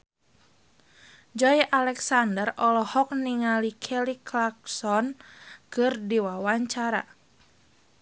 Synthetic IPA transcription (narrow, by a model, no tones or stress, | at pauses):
d͡ʒɔjʔalɛksandərɔlɔhɔk̚niŋalikʰɛliklak̚sɔnkɨrdiwawaɲt͡ʃaɾa̰